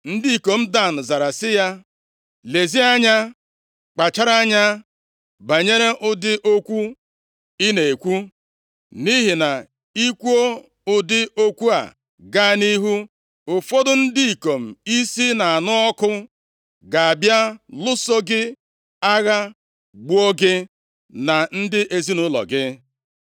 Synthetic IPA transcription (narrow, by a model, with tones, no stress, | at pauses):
n̩˦di˦i˨ko˨m̩˦da˦˨n̩˨za˨ɾa˨sɪ˦ja˦ | le˨zi˦a˦ɲa˦ | k͡pa˨t͡ʃa˦ɾa˦ɲa˦ | ba˨ɲe˦ɾe˦ʔʊ˦dɪ˦ʔo˦kʷu˦ | i˦ne˨e˨kʷu˦ | ni˦ɦi˨na˨ | i˦kʷu˦o˦ | ʊ˦dɪ˦o˦kʷu˦a̰˨ | ɡa˦ni˦ɦu˦ | ʊ˨fo˦dʊ˦n̩˦di˦i˨ko˨m̩˨i˦si˦na˨a˨nʊ˦ɔ˦kʊ˦ | ɡa˨a˨bja˦lʊ˦so˦ɡɪ˦ | a˦ɣa˦ | ɡ͡bu˦o˦ɡɪ˦ | na˨n̩˦dɪ˦ʔe˨zi˦nʊ˦lɔ̰˨ɡɪ˦